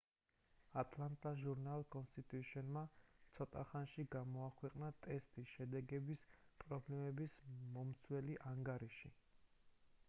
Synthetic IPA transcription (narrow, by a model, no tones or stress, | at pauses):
at̪ʼlant̪ʼaʒuɾnalˠkʼɔnst̪ʼit̪ʼuʃiɔnmat̪sʰɔt̪ʼaχanʃiɡamɔakʰwɛqʼnat̪ʼɛst̪ʼisʃɛd̪ɛɡɛbispʼɾɔblɛmɛbismɔmt̪sʰwɛliʔaŋɡaɾiʃi